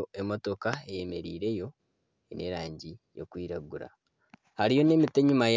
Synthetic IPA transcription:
oe̞mo̞to̞kae̞je̞me̞ɾḭːɾe̞jo̞ | ene̞ɾaːɲɟijo̞̰kwiːɾaɡuɾa̰ | haɾijo̞ne̞mite̞ɲumaj

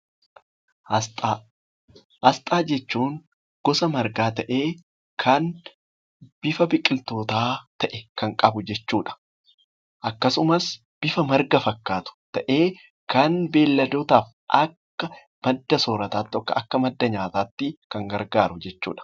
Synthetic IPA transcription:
ɐst̪ʼa | hɐst̪ʼaːd͡ʒɛt͡ʃːuːŋ | ɡ̥ɔsɐmɐɾɡaːt̪ɐʔe̞ː | kʰɐn | b̥ɪfɐbɪkʼːɪlt̪o̞ːt̪aːt̪ɐʔɛkɐŋkʼɐbʊd͡ʒɛt͡ʃːuːᶑɐ̥ | ʔɐkːɐsʊmɐs | b̥ɪfɐmɐɾɡɐfɐkːaːt̪ʊ̥t̪ɐʔe̞ː | kɐnbe̞ːlːɐd̪oːt̪aːf | ʔɐkːɐ | mɐd̪ːɐsoːɾɐt̪aːt̪ːɔkːɐʔɐkːɐmɐd̪ːɐɲaːt̪aːt̪ːɪkɐŋɡɐɾɡaːɾʊd͡ʒɛt͡ʃːṵːᶑɐ̥

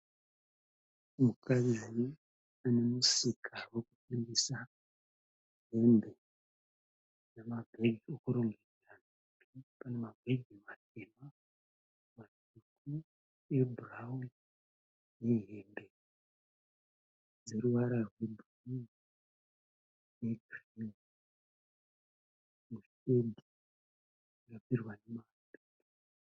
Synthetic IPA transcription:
mukad͡zi | ane̞musikʰawe̞kupindisa | ɦembe̞ | nemabʱe̞ɡʱiokuɾo̞ŋɡed͡zanakutʰipane̞mabʱe̞ɡʱimatʰema | mat | uku | e̞bʱuraun | jeɦeːmbe | d͡ze̞ɾuʋaɾarwe̞bʱni | jeɡri | muste̞dʱi | d͡zakapirwanemaːni

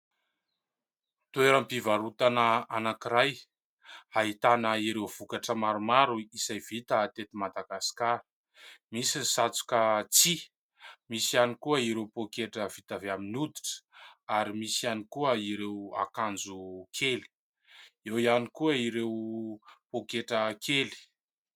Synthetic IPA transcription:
t̪ueɾəmpivaɾut̪anəanakiɾaj | aɦit̪anəiɾewv̥ukaʈ͡ʂəmaɾumaɾuisajv̥it̪aːt̪et̪imad̪aɡasi̥kaɾi̥ | misinisat͡su̥kət͡si | misianikuəiɾewpokeʈ͡ʂəv̥it̪aveaminud̪iʈ͡ʂə̥aɾimisianikuəiɾewa̰kand͡zukʰeli̥ | ewianikuəiɾewpokeʈ͡ʂəkʰeli̥

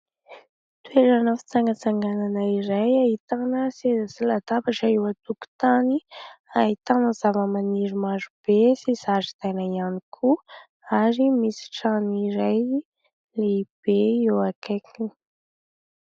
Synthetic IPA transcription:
t̪ueɾanəfi̥t͡saŋɡət͡saŋɡananəiɾajaɦit̪anəsezəsilad̪abaʈ͡ʂaewat̪uku̥t̪aniaɦit̪anəzavəmaniɾimaɾub̥esiz̥azid̪ajnaianikʰu | aɾimisi̥ʈ͡ʂaniɾaj | leib̥eewakʰakʰini̥

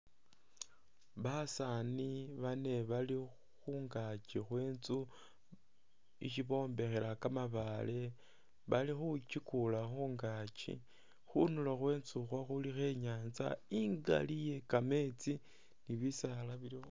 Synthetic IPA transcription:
βasaniβane̞βali | xuːŋɡat͡ʃixwe̞ːnt͡su | ḭʃiβo̞ːmbe̞xe̞ɾakamaβale̞ | βalixut͡ʃikulaxuːŋɡat͡ʃḭ | xunulaxwe̞ːnt͡suxwaxulixe̞ɲaːnt͡sa̰iŋɡa̰lije̞kame̞t͡si | niβisalaβilio

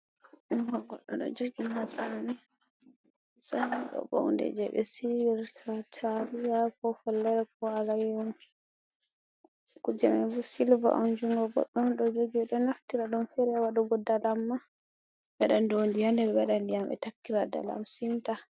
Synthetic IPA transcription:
ɗunwaɡɔ̰ɗːɔ̰nɗɔ̰d͡ʒoɡiɦasanani | samiɗɔ̰bɔ̰wndɛ̰d͡ʒɛ̰ɓɛ̰siiɾkʰatʰaɾijakɔfɔlːɛɾɛkɔalajɔn | kud͡ʒɛmɛbɔsilva̰ʔɔnd͡ʒuŋɡɔɡɔ̰ɗːɔnɗɔd͡ʒoɡɛɗɔnaftiɾaɗɔmfɛɾɛwaɗɔɡɔdalamːa | ɓɛɗandondijandɛɾbɛɗandijamɛ̰takːiɾada̰la̰msimta

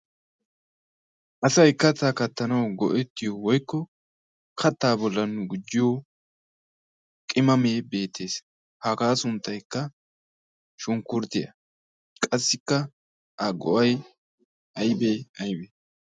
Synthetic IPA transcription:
ʔɐsɐjkːɐt̪akɐt̪ːɐnɐwɡɔʔɛt̪ːɪjɔwɔjkːɔ | kʰɐt̪ːaːbɔlːɐnːʊɡʊd͡ʒːɪjo | kʼɪmɐmeːbe̞ːt̪ːe̞ːs | hakaːsʊnt̪ːɐjkːɐ | ʃʊŋkʊɾt̪ɪjɐ̰ | kʼɐsːɪkːɐ | ʔɐɡɔ̰ʔɐj | ʔɐjbeɐjbe

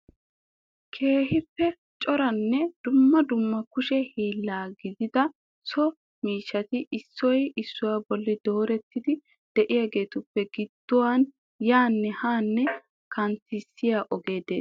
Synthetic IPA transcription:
kʰe̞ːɦɪpːɛ | t͡ʃʼɔɾɐnːɛd̪̥ʊmːɐd̪ʊmːɐkʊʃɛhiːlːaːɡɪd̪ɪd̪ɐ | sɔ | miːʃːɐt̪ɪʔɪsːɔjɪsːʊwaːbɔlːɪd̪o̞ːɾɛt̪ːɪd̪ɪ | d̪̥ɛʔɪjaːɡe̞ːt̪ʊpːɛɡɪd̪̥ːʊwan | jaːnːɛhaːnːɛ | kɐntɪsːɪjaːʔɔɡe̞ːd̪ḛː

